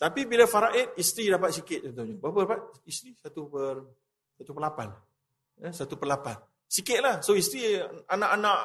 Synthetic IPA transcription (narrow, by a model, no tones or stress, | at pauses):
t̪apibilafaɾaʔɪt̪̚ist̪ɾidapat̪̚sikɪt̪̚sot̪oɲəbapədapat̪̚ist̪ɾisat̪upər | sat̪upərlapan | əsat̪upərlapan | sikɪt̪̚lahsoist̪ɾianãʔanãʔ